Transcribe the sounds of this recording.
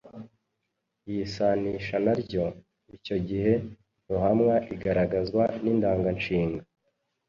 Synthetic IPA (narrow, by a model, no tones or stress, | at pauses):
jisaniʃanaɾɟo̞ | ico̞ɟihe̞ | muɦamŋaʔiɡaɾaɡazwanindaːŋɡant͡ʃiːŋɡa